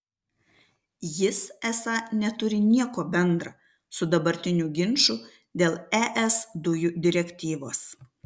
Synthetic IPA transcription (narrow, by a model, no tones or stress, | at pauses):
jɪsæsɑnʲɛt̪ʊɾʲɪnʲiɛkoːbʲɛnd̪ɾɐ | sʊd̪ɐbɐɾʲt̪ʲɪnʲuɡʲɪnʃu | d̪ʲeːlˠɛːʔɛsd̪ʊjuːd̪ʲɪɾʲɛkʲt̪ʲiːʋoːs